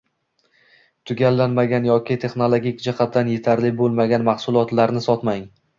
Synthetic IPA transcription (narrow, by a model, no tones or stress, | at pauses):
t̪ʰʊɡʲalːanmaɡʲanjɒkʲɪt̪ʰe̞χnolˠoɡʲikʲd͡ʒaχat̪ʰːanje̞t̪ʰaɾlɪbolˠmaɡʲanmaχsʊlˠɒt̪laɾnɪsɒt̪maŋ